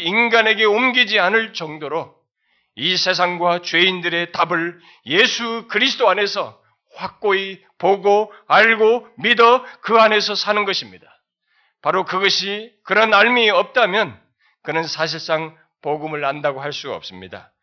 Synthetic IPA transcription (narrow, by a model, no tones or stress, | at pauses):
inɡane̞ɡe̞omɡid͡ʑianɯɭt͡ɕʌŋdoɾo | isʰe̞s̬ʰaŋɡwat͡ɕwe̞indɯɾe̞tabɯɭ | je̞sʰukɯɾis̬ʰɯ̥t͈oane̞sʰʌ | ɸwak̚k͈oi | poɡoaɭɡomidʌkɯane̞sʰʌsʰanɯnɡʌɕʰimɲidḁ | paɾokɯɡʌɕʰikɯɾʌnaɭmiʌp̚t͈amjʌn | kɯnɯnsʰaɕ̬ʰiɭs͈aŋ | poɡɯmɯɭandaɡohaɭs͈uɡaʌ̰p̚s͈ɯmɲida̰